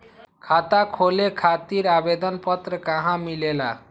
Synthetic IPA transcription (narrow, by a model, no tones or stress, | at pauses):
kʰat̪akʰolekʰat̪iɾabed̪ʌnpʌt̪ɾʌkaɦãmilela̰